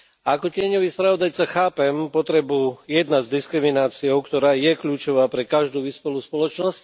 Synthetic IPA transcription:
akɔcɪɛɲɔʋiːspɾaʋɔd̪ajt͡saxaːpɛmpɔt̪ɾɛbujɛd̪nazd̪iskɾiminaːt͡siɔʊkt̪ɔɾaːjɛkʎuːt͡ʃɔʋaːpɾɛkaʒd̪uːʋispɔluːspɔlɔt͡ʃnɔsc

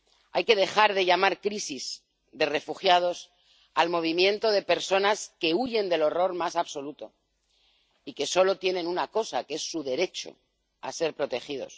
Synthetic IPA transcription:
a̰jke̞ð̞e̞xaɾðe̞ʎamaɾkɾisiz | d̪e̞re̞fuxjað̞os | almo̞β̞imjẽ̞nt̪o̞ð̞e̞pe̞ɾso̞naske̞uʝe̞nd̪e̞lo̞ro̞ɾmasaβso̞lut̪o̞ | ike̞so̞lo̞t̪je̞nẽ̞nunako̞sa̰kee̞sːuðe̞ɾe̞t͡ʃo̞̰ | a̰se̞ɾpɾo̞t̪e̞xið̞o̞̰s

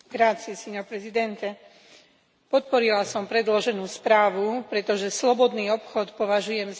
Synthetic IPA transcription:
ɡɾaːt͡siɛsiːɲɔpɾɛzid̪ɛnt̪ɛ | pɔt̪̚pɔɾilasɔmpɾɛd̪lɔʒɛnuːspɾaːʋupɾɛt̪ɔʒɛslɔbɔd̪niːɔpxɔt̪pɔʋaʒujɛmz

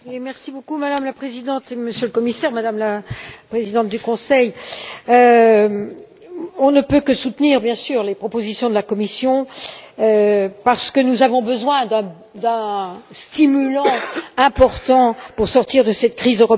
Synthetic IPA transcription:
wimɛʁsibokumad̪amlapχezid̪ɑ̃t̪eməsjøləkɔmisɛʁmad̪amlapχezid̪ɑ̃t̪̚d̪ykɔ̃sɛjø | ɔ̃nəpøkəsut̪niʁbjɛ̃syʁlepχɔpozisjɔ̃d̪əlakɔmisjɔ̃øpaʁsə̥kənuzavɔ̃bəzwɛ̃d̪ɛ̃ | d̪ɛ̃st̪imylɑ̃ɛ̃pɔʁt̪ɑ̃puʁsɔʁt̪iʁd̪əsɛt̪kχizøʁɔp

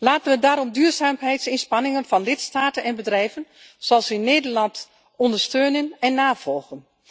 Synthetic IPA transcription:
laːtənʋədaːɾɔmdyːrzaːmɦɛjtsɪnspɑnɪŋənvɑnlɪtstaːtənɛnbədrɛjvən | soɑlˠsɪnːeːdərlɑnt | ɔndəɹstøːnənɛnːaːvɔlˠɣən

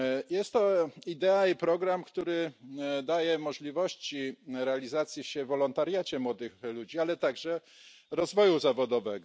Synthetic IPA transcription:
jɛst̪ːɔid̪ɛaipɾɔɡɾamkt̪uɾɘd̪ajɛmɔʐlʲivɔɕt͡ɕiɾɛalʲizat̪sʲjiɕɛvɔlɔnt̪aɾjat͡ɕɛmwɔd̪ɘxlud͡ʑialɛt̪aɡʐɛɾɔzvɔjuzavɔd̪ɔvɛɡɔ

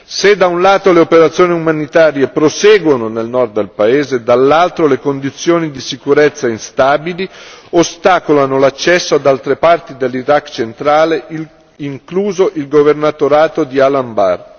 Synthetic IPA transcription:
sed̪ːaunlaːt̪oleopeɾat̪sːjoːniumanit̪aːɾjepɾosɛːɡwononelnɔrd̪ːelpaeːzed̪alːalt̪ɾolekond̪it̪sːjoːnid̪isikuɾet̪sːainst̪aːbiliost̪aːkolanolat͡ʃːɛsːoad̪alt̪ɾepart̪id̪elːiɾakːt͡ʃent̪ɾaːle | iŋkluːzoʔilɡovernat̪oɾaːt̪od̪ialamba̰r

